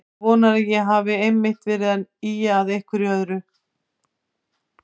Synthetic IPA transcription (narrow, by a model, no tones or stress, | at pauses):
vɔːnaɾajɛɦaːvɪejmːɪht̪fɪɾɪðaniːjaːðehkʏɾjœðɾʏ